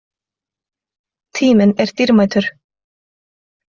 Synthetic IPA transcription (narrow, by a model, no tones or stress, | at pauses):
t̪ʰiːmɪnɛɾ̥t̪iɾmaːjt̪ʏɾ̥